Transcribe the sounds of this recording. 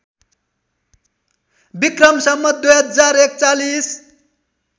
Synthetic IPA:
bikrʌmsʌmːʌd̪ujɦʌd͡zaɾekt͡salis

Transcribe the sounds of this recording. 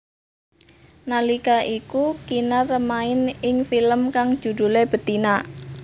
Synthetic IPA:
nalikaʔikukinarəmaɪnɪŋfiləmkaŋ̥ʒ̥ṳd̪̥ṳleb̥ə̤t̪ina

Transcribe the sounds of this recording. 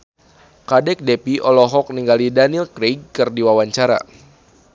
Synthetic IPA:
kadɛk̚depiʔɔlɔɦɔk̚niŋɡalidanilkɾeɡ̚kɨrdiwawaɲt͡ʃaɾa̰

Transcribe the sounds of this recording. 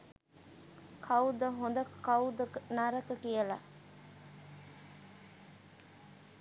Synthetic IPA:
kʰɐwd̪əɦond̪ɐkkɐwd̪əknaɾəkəkijəla

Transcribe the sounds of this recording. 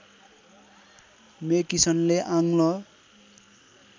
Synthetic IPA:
mekisʌnleʔaŋlʌ

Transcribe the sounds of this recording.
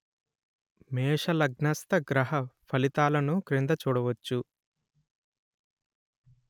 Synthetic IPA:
mɛːʂɐlɐɡnɐst̪ɐɡɾɐɦɐpʰɐlit̪aːlɐnukɾind̪ɐt͡ʃuːɽɐʋɐt͡ʃːu

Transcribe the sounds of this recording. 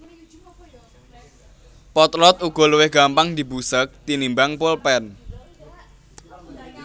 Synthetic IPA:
pɔt̪lɔt̪uɡ̥ɔ̤luwɪhɡ̥a̤mpaŋd̪ibusək̚t̪inimbaŋpolpɛn

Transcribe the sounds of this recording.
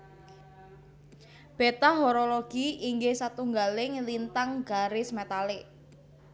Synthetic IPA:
b̥et̪aɦoɾoloɡ̥iiŋɡesat̪uŋɡalɪŋlint̪aŋɡ̥a̤ɾɪsmet̪alɪʔ

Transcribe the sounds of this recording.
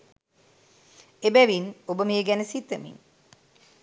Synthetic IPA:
ebæʋinobəmiəɡænəsit̪əmḭn

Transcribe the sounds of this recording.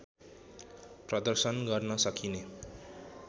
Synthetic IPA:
prʌd̪ʌrsʌnɡʌrnʌsʌkʰine

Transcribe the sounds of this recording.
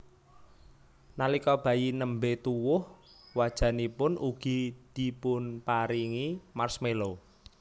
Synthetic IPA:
nalikɔb̥a̤jinəmbet̪uwʊhwad̥ʒ̥ä̤nipʊnʔuɡ̥i̤d̪̥i̤pʊnpaɾiŋimarsmelo

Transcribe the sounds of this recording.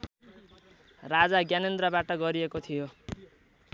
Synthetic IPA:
rad͡zaɡjanend̪rʌbaʈʌɡʌɾiekot̪ʰijo

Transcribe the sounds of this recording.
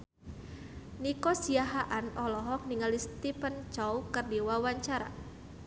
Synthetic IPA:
nikɔsiaɦaʔanɔlɔɦɔk̚niŋalist̪ipənt͡ʃɔwkərdiwawaɲt͡ʃaɾa̰

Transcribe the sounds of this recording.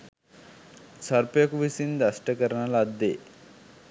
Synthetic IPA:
sɐɾpjɐkuʋisind̪ɐsʈɐkɐɾɐɳɐlad̪ːe

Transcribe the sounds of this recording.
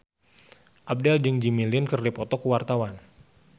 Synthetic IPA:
ʔab̚dɛld͡ʒɨŋd͡ʒimilɪnkərdipɔt̪ɔkuwart̪awan

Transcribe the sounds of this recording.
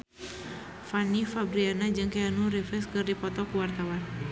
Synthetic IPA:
fanifabɾianad͡ʒɨŋkaanurifɛskɨrdipɔt̪ɔkuwart̪awan

